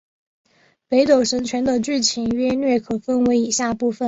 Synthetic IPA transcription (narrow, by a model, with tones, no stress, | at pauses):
pe˧˥ɪt̪o˨˩ʊʂɤ˧˥ŋt͡ɕʰɥɛ˧˥nd̪ə˧ʈ͡ʂ̩˥˩t͡ɕʰi˧˨˩nɥɛ˥nɥɛ˥˩kʰɤ˨˩fə˥˧nwe˧˥ɪi˨˩ɕja˥˧pu˥˩fə˨˩n